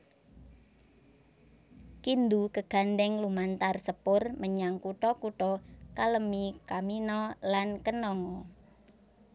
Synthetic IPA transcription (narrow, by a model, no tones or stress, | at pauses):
kind̪ukəɡ̥a̤nɖɛŋlumant̪arsəpʊrməɲaŋkuʈɔkuʈɔkaləmikaminɔlankənɔŋɔ